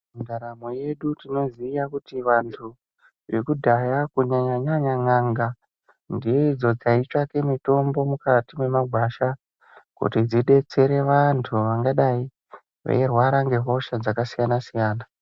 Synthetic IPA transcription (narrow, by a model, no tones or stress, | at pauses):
undaɾamoje̞ɗutino̞ziːjakutiʋantʰu | ʋe̞kudʱajakuɲaɲaɲaɲaŋaŋɡa | ndijeid͡zo̞d͡zait͡ʃake̞mito̞mbo̞mukatime̞maɡʱwaʃa | kṵtid͡ziɗe̞t͡se̞ɾe̞ʋantʰuʋaŋɡaɗai | ʋḛjerwaɾaŋɡe̞ɦo̞ʃad͡zakasijanasijaːna